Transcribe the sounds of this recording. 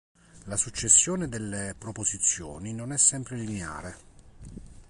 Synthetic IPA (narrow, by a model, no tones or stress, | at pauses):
lasut͡ʃːesːjoːned̪elːepɾopozit̪sːjo̰ːninonɛsːɛmpɾeliinea̰ːɾe